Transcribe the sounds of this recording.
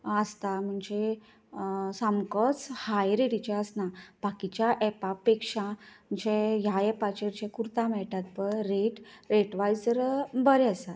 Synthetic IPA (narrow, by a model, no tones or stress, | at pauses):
əst̪am̤əɳd͡ʑe | samkɔt͡shajɾeɽit͡ɕaəsnab̥akit͡ɕjaʔɛpapekʂãm̤əɳd͡ʑejaɛpat͡ɕeɾt͡ɕẽkuɾt̪ãmɛɭʈ̪at̪̚pəɾɾeʈɾeʈʋajd͡zəɾbəɾɛəsat̪